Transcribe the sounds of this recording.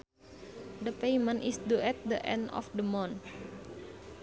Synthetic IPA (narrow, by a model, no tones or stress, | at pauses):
dəpejmə̃nʔisduɛt̪̚dəʔɛ̰̃ndɔ̰fdəmɔ̃n